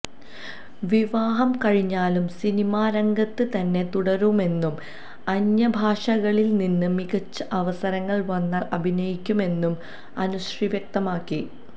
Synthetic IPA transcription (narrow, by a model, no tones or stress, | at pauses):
ʋiʋaːɦɐmkɐɻiɲːaːlumsinimaːɾɐŋɡɐt̪ːɨt̪ɐnːe̞t̪uɽɐɾume̞nːum | ɐɲːɐbʱaːʂɐɣɐɭilninːɨmiɣɐt͡ɕːɐʔɐʋɐsɐɾɐŋːɐɭʋɐnːaːlɐbʱinɐjikʲːume̞nːum | ɐnuɕriʋjɐk̚t̪ɐmaːkːi